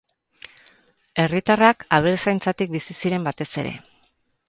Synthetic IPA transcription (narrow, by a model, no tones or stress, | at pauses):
e̞rit̪arakaβ̞elsajnt͡sat̪ik̚bisisiɾe̞mbat̪e̞se̞̰ɾe̞̰